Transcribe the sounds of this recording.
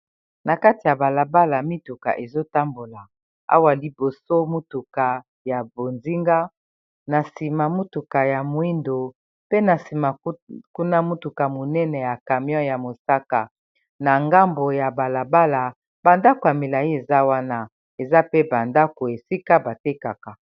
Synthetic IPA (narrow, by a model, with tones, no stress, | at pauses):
na˨ka˦ti˨ja˨ba˨la˨ba˦la˨mi˦tu˨ka̰˨ʔe˨zo˦ta˦mbo˨la˨ | a̰˦wa˨li˨bo˨so˦mu˦tu˨ka˨ | ja˨bo˨nzi˦ŋɡa˦ | na˨si˨ma˨mu˦tu˨ka˨ja˨mwi˦ndo˨ | pe˦na˨si˨ma˨˦ku˦na˦mu˦tu˨ka˨mo˨nɛ˦nɛ˨ja˨ka˨mjɔ̃˦ja˨mo˨sa˦ka˨ | na˨ŋɡa˦mbo˨ja˨ba˨la˨ba˦la˨ | b̥a˨nda˦ko˨ja˨mi˨la˨ji˦e˨za˦wa˦na˦ | e˨za˦pe˦ba˨nda˦ko˨e˨si˦ka˦ba˨te˦ka˨ka˨